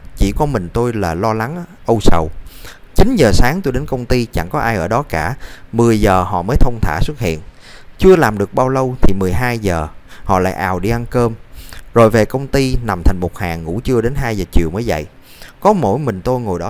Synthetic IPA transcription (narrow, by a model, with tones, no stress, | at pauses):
t͡ɕi˧˩kɔ˧˦mï˨˩ŋ̟t̪o˧jlaː˨˩lɔ˧la˨˦ŋʔə˧wsə˨˩w | t͡ɕi˨˦nzəː˨˩saː˨˦ŋt̪o˧jɗe˨˦nkə˧wŋ͡mt̪i˧t͡ɕa̰˧˩ŋkɔ˨˦ʔaː˧jʔəː˧˩ɗɔ˨˦kaː˧˩mɨ˨˩əjzəː˨˩hɔ̰˧˨məː˨˦jt̪ʰə˧wŋ͡mt̪ʰa̰ː˧˩swə˦˥t̚hḭ˧˨ən | t͡ɕɨ˧əlaː˨˩mɗɨ˨˩ək̚ɓaː˧wlə˧wt̪ʰi˨˩mɨ˨˩əjɦaː˧jzəː˨˩hɔ̰˧˨la̰ː˧˨jʔa̰ː˨˩wɗi˧ʔa˧nkəː˧mzo˨˩jve˨˩kə˧wŋ͡mt̪i˧na˨˩mt̪ʰa˨˩jŋ̟mo˨˩t̚haː˨˩ŋːṵ˧˥t͡ɕɨ˧əɗe˨˦nɦaː˧jzəː˨˩t͡ɕḭ˨əwməː˨˦jvə̰˧˨j | kɔ˨˦mo̰˧˩jmï˨˩ŋ̟t̪o˧jŋo˨˩jɗɔ˨˦